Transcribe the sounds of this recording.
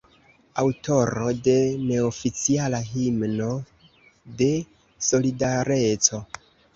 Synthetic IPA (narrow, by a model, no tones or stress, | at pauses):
awto̞ɾo̞de̞ne̞ofit͡sialaɦimno̞ | de̞ | so̞lidaɾe̞t͡so̞